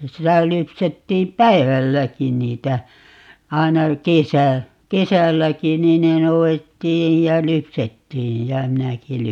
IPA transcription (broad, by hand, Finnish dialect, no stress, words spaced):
sitæ lypsetːiːm pˑæiʋælːækin niːtæ ɑinɑ kesæ kesælːæki niː ne nouetːiːj jɑ lypsetːiːj jæ minæki